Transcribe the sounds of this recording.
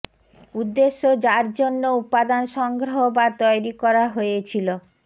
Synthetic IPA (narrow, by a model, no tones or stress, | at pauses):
ud̪ːeʃːod͡ʑaɾd͡ʑonːoupad̪anʃɔŋɡɾoɦobat̪ɔjɾikɔɾaɦojet͡ɕʰilo